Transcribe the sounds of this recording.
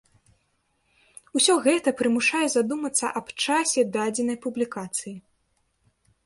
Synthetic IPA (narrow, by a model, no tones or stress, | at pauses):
usʲɔɣɛt̪ɐpɾɨmuʂajɛzad̪umɐt̪sːɐ̰ʔɐpt͡ʂasʲɛd̪ad͡zʲɛnɐjpublʲikat̪sɨji